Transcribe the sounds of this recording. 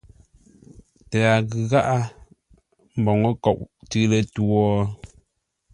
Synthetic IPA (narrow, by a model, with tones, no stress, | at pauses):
tɛ˨a˨ɣɯ˨ɣa˦ʔa˦ | m̩˨bɔ˨ŋə˦kɔ˨ʔtɨ˦lə˦tu˦ɔ˦